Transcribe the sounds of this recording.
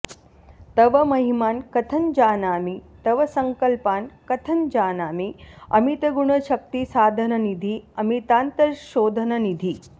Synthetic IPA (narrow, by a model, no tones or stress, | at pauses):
t̪ɐʋɐmɐɦimaːnkɐt̪ʰɐənd͡ʒaːnaːmit̪ɐʋɐsɐŋkəlpaːnkɐt̪ʰɐnd͡ʒaːnaːmiɐ̰mit̪ɐɡuɳɐʃɐk̚t̪isaːd̪ʱɐnɐnid̪ʱiɐmit̪aːnt̪ɐʃoːd̪ʱənɐnid̪ʱiː